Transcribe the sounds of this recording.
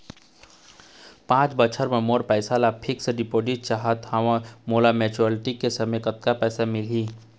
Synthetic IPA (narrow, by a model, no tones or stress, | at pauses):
pãːt͡ʃbət͡ʃʰəɾmẽmoːɾpɛːsalapʰɪksɖɪpoːɖiʈ̚t͡ʃaɦət̪haʋãmoːlamɛːt͡ʃuəlʈikːesɐmẽjkət̪kapɛːsamɪliː